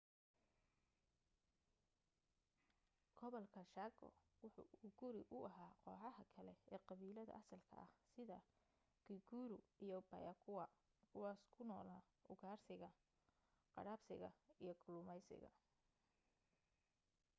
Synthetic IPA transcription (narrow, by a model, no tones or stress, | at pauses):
ɡ̥ʰɔβɔlkʰɐʃaːɡɔ̰wʊħʊ̰ːuːɡʊɾɪʔʊʔɐɦaːqɔːħɑɦɐkʰɐlɛɛːqɑβiːlɐðɐ̰ʔɐsɐlkʰɐ̰ʔɐhsɪðɐ | ɡɪɡuːɾʊijɔbɐ̰jɐkʰʊwɑ | kʰʊwɑːskʰʊnɔːla | ʔʊɣaːrsɪɣɐ | qɑ̰ɽaːbsɪɣɐijɞɡʰʊlʊmɛjsɪ̰ɣɐ̰